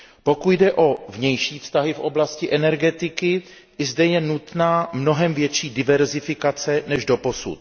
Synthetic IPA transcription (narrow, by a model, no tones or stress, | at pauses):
po̞kut̪dɛʔo̞vɲɛjʃiːfst̪aɦɪfʔo̞blascɪʔɛnɛɾɡɛt̪ɪkɪ | ɪzdɛjɛnut̪naːmno̞ɦɛmvjɛt͡ʃiːdɪvɛɾzɪfɪkat͡sɛnɛʒdo̞po̞sṵt̪̚